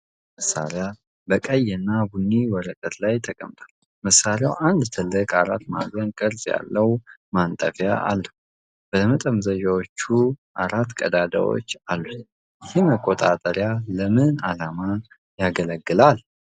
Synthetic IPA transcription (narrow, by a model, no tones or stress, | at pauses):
məsa̰ɾja | bəkʼəjɨnːabunːiwɔɾəkʼət̪lajt̪ʰəkʼə̰mt̪ʼʰal | məsːaɾjawʔand̪t̪ʰɨlːɨkʼaɾat̪ːma̰ɡənkʼɨɾzja̰lːəwmant̪ʼə̰fjaa̰lːəhu | b̥əmət̪ʼəmzəd͡ʒawot͡ʃːuʔaɾat̪ːkʼəd̪ad̪a̰wo̰t͡ʃːalːut̪ | jɪhɪməkʼːot̪ʼat̪ʼəɾjaləmɨnalama | jaɡələɡːɨlal